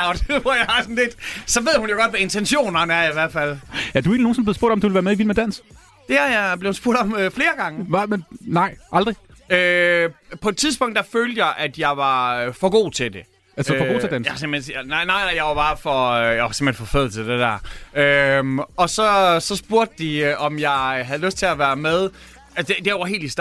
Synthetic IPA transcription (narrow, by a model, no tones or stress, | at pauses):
ɒd̥ʋɒjɑɪhɑ̈sɔn̩le̝d̥sɒ̽ʋe̝ð̰ˠhunjoɡ̥ɒ̽d̥ʋæe̝nt͡sʰenɕo̝̰ːnɐnæɐiʋæɐ̰̥fæl̰jæd̥ue̝̰ːnino̝ːnsɒmb̥le̝sb̥o̝ɐ̰d̥ɒmd̥uʋelʋæɐmeiʋil̰med̥æn̰s | d̥e̝æjab̥le̝ʊsb̥uɐ̰d̥ɒ̽møfle̝ːɐɡ̥ɑ̈ŋəmennɑ̈ɪ̰ʔɑ̈ld̥ʁiø | pʰɒ̽e̝d̥̚t͡sʰiðˠsb̥ɔ̽ŋ̰d̥ːɑaɪføːld̥əjɑ̈ɪʔæd̥jɑ̈ɪʋɑ̈fɒ̽ɡ̥o̝̰ːt͡sʰe̝d̥e̝ | ælsfɡo̰t͡sedænjasemensnɑɪ̰nɑ̈ɪ̰nɑ̈ɪ̰jɑ̈ɪʋɑ̈b̥ɑ̈ːfɒ̽øjaʋɑsem̥hḛn̩fɒ̽føð̰ˠl̩t͡sʰed̥ed̥æɐ̰ømɒ̽sɒ̽sɒ̽sb̥uɐ̰d̥əd̥iʔɒ̽mjɑ̈ɪɦæðˠløsd̥̚t͡sʰe̝læʋæːɐmeð̞ˠ | æsd̥ed̥eɦe̝̰ːld̥is